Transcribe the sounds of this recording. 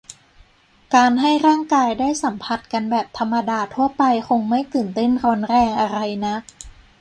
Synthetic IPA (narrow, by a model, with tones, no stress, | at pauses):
kaː˧nɦa˥˩jɾaː˥˩ŋkaː˧jdaː˥˩jsa˩˦mpʰa˧˥t̪̚ka˧nbɛː˨˩p̚t̪ʰa˧mːa˧daː˧t̪ʰu˥˩ɐpa˧jxʰo˧ŋma˥˩jt̪ɯː˨˩nt̪e˥˩nɾɔː˦˥nɾɛː˧ŋʔa˧ɾa˧jna˦˥ʔ